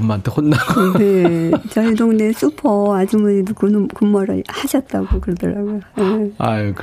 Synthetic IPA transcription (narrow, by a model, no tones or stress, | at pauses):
mːantʰehonːaɡnet͡ɕʌidoŋnes͈upʰʌad͡ʑimɯnkunkumːʌɾɯ̰haɕʰʌt̚t͈aɡokɯɾʌdɯ̰ɾaɡojojea̰k